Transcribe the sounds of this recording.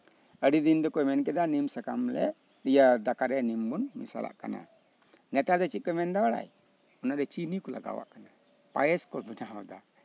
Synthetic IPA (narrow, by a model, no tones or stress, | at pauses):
əɽid̪ind̪ɔkɔjmɛnkɛd̪animsakamlɛ̰ | ɗijad̪akaɾɛanimbunmḭsa̰lʔa̰ʔka̰na̰ | nɛt̪ad̪ɛt͡ʃit̪̚kɔmɛnd̪awaɽa̰j | ɔnaʔɾɛt͡ʃinikɔla̰ɡa̰wa̰ʔkana | pa̰jɛskɔlbinaad̪a